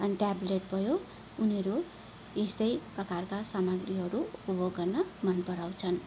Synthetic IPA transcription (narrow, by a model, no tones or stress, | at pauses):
ʌniʈableʈ̚bʱʌjo | unʌɾu | est̪ʌjprʌkarkasamʌɡriɦʌɾuupʌboɡːʌrnʌmʌnpʌɾaw̃t͡sʰʌn